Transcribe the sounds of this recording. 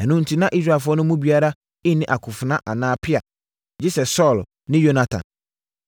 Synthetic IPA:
ɛ˨nʊ̃˦n̩˨tʰi˦nã˦ʔi˦s̬ɾa˨fʊ˦ɔ˦nʊ̃˦mũ˦bi˨˦a˦ɾa˦ | ɪ˦nɪ̃˨ʔa˨kʰʊ˨fʊ˨nã˦ʔa˨nãː˦pʰɪ˦a˨ | d͡ʑɪ˦sɛ˨sɔ˦˨l | nɪ̃˦jo˦na˦tʰã̰˨n

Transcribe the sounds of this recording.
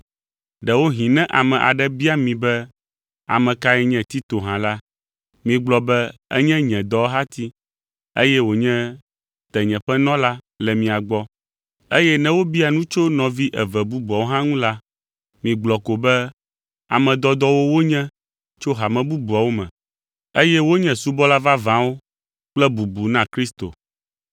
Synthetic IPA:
ɖɛ˨wo˦ɦĩ˨nɛ̃˦ʔa˨mɛ̃˨ʔa̰˨ɖɛ˦bi˦a˦mĩ˨bɛ˦ | a̰˨mɛ̃˨ka˦ɛ˦ɲɛ̃˨t̪i˦t̪o˨ɦã˨la˦ | mĩ˨ɡ͡blɔ˨bɛ˦ɛ̰˦ɲɛ̃˦ɲɛ̃˨d̪ɔ˦ɦa˦t̪i˦ | ḛ˦jɛ˦wo˨ɲɛ̃˦ | t̪ɛ˨ɲɛ̃˨ɸɛ˦nɔ̃˦la˦ | lɛ˨mĩ˨a˨ɡ͡bɔ˦ | e˦jɛ˦nɛ̃˦wo˦bi˦a˨nũ˦t͡ʃo˦nɔ̃˨vi˦ʔɛ˨vɛ˨bu˦bu˨a˨wo˦ɦã˦ŋũ˦la˦ | mĩ˨ɡ͡blɔ˨ko˨bɛ˦ | a̰˨mɛ̃˨d̪ɔ˦d̪ɔ˦wo˦wo˦ɲɛ̃˦ | t͡ʃo˦ɦa˨mɛ̃˨bu˦bu˨a˨wo˦mɛ̰̃˨ | e˦jɛ˦wo˦ɲɛ̃˨su˦bɔ˦la˦va˦vã˨wo˦ | k͡plɛ˦bu˨bu˨nã˦kɾi˦st̪o̰˨

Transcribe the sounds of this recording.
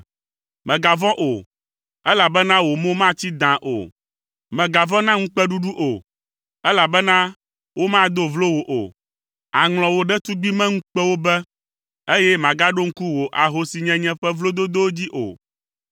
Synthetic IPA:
mɛ̃˨ɡa˨vɔ̃˦ʔo˨ | ɛ˦la˨bɛ˦nã˦wo˨mõ˦mã˦t͡ɕi˦d̪ã˨ʔo̰˨ | mɛ̃˨ɡa˨vɔ̃˦nã˦ŋ̩̃˦k͡pɛ˦ɖu˦ɖu˦ʔo˨ | ɛ˦la˨bɛ˦nã˦ | wo˦mã˦d̪o˦vlo˦wo˨ʔo̰˨ | a˨ŋl̃ɔ̃˨wo˨ɖɛ˦t̪u˦ɡ͡bi˦mɛ̃˦ŋ̩̃˦k͡pɛ˦wo˦bɛ˦ | e˦jɛ˦mã˨ɡa˦ɖo˦ŋ̩˦ku˦wo˨ʔa˨ɦo˨si˨ɲɛ̃˦ɲɛ̃˦ɸɛ˦vlo˦d̪o˦d̪o˦wd͡ʑi˦ʔo̰˨

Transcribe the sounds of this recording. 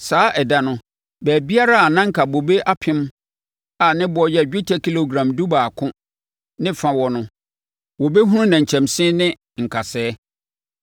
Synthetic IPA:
saː˨˦ʔɛ˨da˨nʊ̃˦ | bæː˨bi˦a˦ɾa˦a˨nã˦ŋ̩˨kʰa˨bo˨be˦ʔa˦pʰɪ̃˦m | a˨nɪ̃˦bɔ˨jɛ˦˨d͡ʑᶣɪ˦tʰa˦kʰi˦lo˨ɡɾã˨mdu˦baː˨kʰʊ̃˦ | nɪ̃˦fã˦wɔ˨nʊ̃˦ | wɔ˨be˦ɦũ˦nũ˦nã˨ɲ˨t͡ɕʰɛ̃˨msɪ̃˦nɪ̃˦ | ŋ̩˨kʰa˨sɛː˦

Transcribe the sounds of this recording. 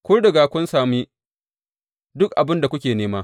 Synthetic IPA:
kʷʊː˦dɐ˨ɡaː˨kʷʊ˦nsaː˨miː˦ | dʊ˦k̚ʔa˨bɪ˦nda˨kʷʊ˦kʲeː˨neː˦maː˦

